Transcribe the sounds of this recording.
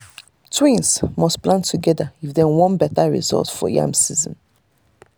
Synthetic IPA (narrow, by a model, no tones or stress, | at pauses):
tʰwĩnsmɔsplãntʰuɡɛdaifdɛ̃wɔ̃nbɛtaɹḭzɔ̰ltfɔ̰jã̰msizə̰̃n